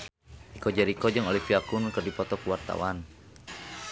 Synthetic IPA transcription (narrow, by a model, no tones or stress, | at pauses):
ʔikɔd͡ʒaɾikɔd͡ʒɨŋolifiakunkɨrdipɔt̪ɔkuwart̪a̰wan